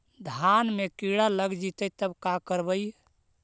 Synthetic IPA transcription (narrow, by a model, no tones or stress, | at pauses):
d̪ʱanmekiɽaləɡd͡ʒit̪ət̪əbkakəɾbəj